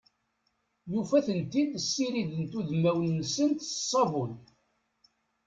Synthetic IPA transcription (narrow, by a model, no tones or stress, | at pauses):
jufæθənt̪id̪əsːiɾiðənt̪uðmæwənːəsənt̪sˤːɑvʊl